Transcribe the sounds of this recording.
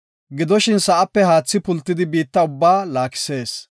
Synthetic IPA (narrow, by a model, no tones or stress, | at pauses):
ɡɪd̪ɔʃɪnsɐʔɐpːɛhaːt͡sːɪpʊlt̪ːɪd̪ɪbiːt̪ːɐʊbːaːlaːkɪ̥se̞ːs